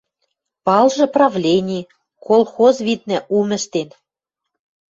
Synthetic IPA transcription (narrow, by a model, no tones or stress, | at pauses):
pɑlʒɤ̆prɑvlʲenʲi | kolˠxozβʲit̪̚nɘ̆ʔumɘ̆ʃt̪en